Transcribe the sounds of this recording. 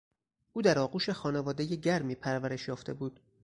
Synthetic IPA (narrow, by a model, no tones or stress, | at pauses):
ʔuːd̪æɾɒːɡuːʃexɒːnevɒːd̪ejeɟæɾmiːpʰæɾvæɾe̞ʃjɒːft̪ʰe̞buːd̪̥